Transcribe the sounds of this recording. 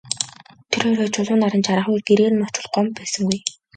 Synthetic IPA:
t̪ʰeɾoːɾoːt͡ɕʰʊɮʊːnaɾə̆nt͡ɕʰaɾăːχujɡeɾĕːnːɔt͡ɕɪ̆ɮɢɔmpæːsə̆ŋɡuj

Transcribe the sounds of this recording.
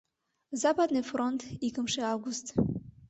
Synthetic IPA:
zapad̪nɨfront̪ikə̆mʃeavɡust̪

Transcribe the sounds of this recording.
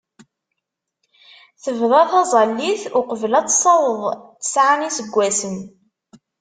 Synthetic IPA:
θəvðˤɑθɑzˤɑlːiθʊqəvlæt͡sːsˤːɑwəðˤθə̥sʕanisəɡʷːæsən

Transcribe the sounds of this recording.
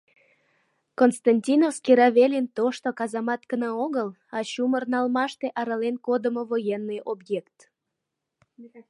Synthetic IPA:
konst̪ɑnʲtʲinofskiɾɑβelʲint̪oʃt̪okɑzɑmɑt̪kənəoɣəl | ɑɕumərnɑlmɑʃt̪eʔɑɾəlenkod̪əmovojenːɨjʔobjekt̪

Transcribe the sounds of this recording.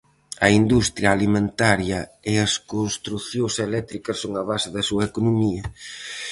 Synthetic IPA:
ɐind̪ust̪ɾjɐːlimẽnt̪aɾjɐeɐskonst̪ɾuθjõselɛt̪ɾikɐssːoŋɐβasɪðɐsuɐekonomiɐ

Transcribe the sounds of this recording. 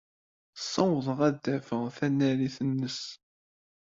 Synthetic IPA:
sˤːɑwðˤʁæd̪ːæfəʁθænːæɾiθənːəs

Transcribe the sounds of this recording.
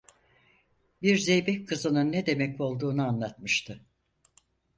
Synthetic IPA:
biɾze̞jbɛckʰːɯzɯnɯnːɛd̪e̞mɛco̞lˠd̪uːnuanlˠat̪mɯʃt̪ʰɯ

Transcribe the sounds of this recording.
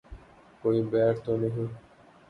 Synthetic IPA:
koːibɛːɾt̪onəɦĩː

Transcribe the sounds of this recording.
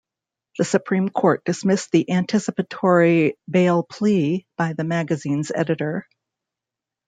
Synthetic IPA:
ðɨsɨpʰɹ̥ĩmkʰɔɹt̚d̥ɨsmɪsðiʔæ̃ntʰɪsɨpɨtʰɔɹibeɪlˠpʰl̥ib̥aɪðɨmæɡɨzĩnzɛ̰ɾɨɾə˞

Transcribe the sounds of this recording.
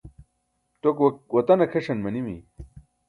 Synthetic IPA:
t̪okwɐt̪ɐnɐkʰeʂɐnmɐnimḭ

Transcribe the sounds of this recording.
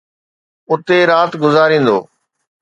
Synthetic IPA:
ʊt̪eɾaːt̪ɡʊzaːɾĩːn̆d̪o̰ː

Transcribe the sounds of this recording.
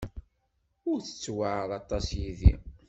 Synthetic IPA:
ʊɾθə̥t͡sːwaʕəðɑt̪ˤːɑsjiðḭ

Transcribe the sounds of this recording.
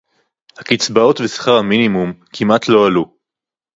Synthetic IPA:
hakit͡sbao̞tvesχaʁhaminimumkʰimat̪ʰlo̞alu

